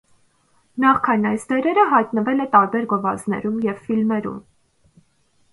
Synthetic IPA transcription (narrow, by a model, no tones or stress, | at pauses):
nɑχkʰɑjnɑjsd̪ɛɾɛɾəɦɑjt̪nəvɛlɛt̪ɑɾbɛɾɡɔvɑznɛ̰ɾumjɛvfilmɛɾṵm